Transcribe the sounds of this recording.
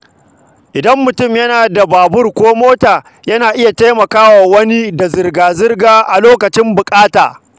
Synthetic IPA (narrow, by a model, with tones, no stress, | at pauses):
ʔɪ˨dɐ˦mːʊ˨tʊ˦˨mjɐ˦naː˨da˨baː˨bʊ˦rkʷoː˦moː˦taː˨ | jɐ˦naː˨ʔɪ˦ja˨ta˦jmɐ˨kaː˦waː˨wɐ˦ni˦da˨zɪ˨rɡaː˨zɪ˦rɡaː˦ʔa˨loː˦kɐ˨t͡ʃɪ˦mbʊ˨kʼaː˦taː˨